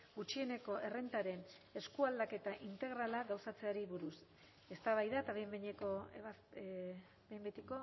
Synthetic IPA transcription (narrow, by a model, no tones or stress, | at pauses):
ɡut͡ʃie̞ne̞ko̞ʔe̞re̞nt̪aɾe̞ne̞skuald̪ake̞t̪aʔint̪e̞ɣɾalaɣawsat͡se̞aɾiβuɾus | e̞st̪aβajðat̪aβembeɲeko | bejmbet̪iko̞